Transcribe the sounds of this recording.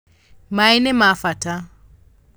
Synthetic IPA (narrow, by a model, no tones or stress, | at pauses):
mainɛmafata